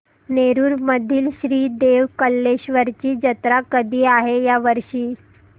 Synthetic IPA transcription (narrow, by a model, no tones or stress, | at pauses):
neɾuːɾməd̪ʱiːlɕɾiːd̪eʋkəlːeɕʋəɾt͡ɕiːd͡ʑət̪ɾakəd̪ʱiːaɦejaʋəɾɕiː